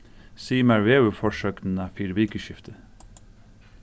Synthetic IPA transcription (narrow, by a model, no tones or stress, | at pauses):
siːmæɹʋeːʉfɔʃøːkn̩ɑːfɪɾbiːkəʃɪft̪ʰə